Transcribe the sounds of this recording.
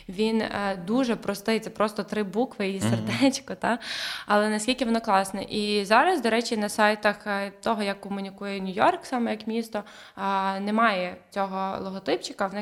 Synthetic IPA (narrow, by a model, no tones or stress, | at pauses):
ʋʲind̪uʒɛpɾɔst̪ɪjt̪ɛpɾɔst̪ɔt̪ɾɪbukʋɪjiserd̪ɛt͡ʃkɔt̪ɑɐlˠɛnɐsʲkʲilʲkʲɪʋɔnɔklˠɑsnɛ̰ʔizɑɾɐzd̪ɔɾɛt͡ʃinɐsɑjt̪ɐxt̪ɔɦɔjɐkːɔmʊnʲikujɛnʲʊjɔrksɑmɛjɐkmʲist̪ɔ | nɛmɑjɛt͡sʲɔɦɔlˠɔɦɔt̪ɪpt͡ʃɪ̥kɐʋnɛ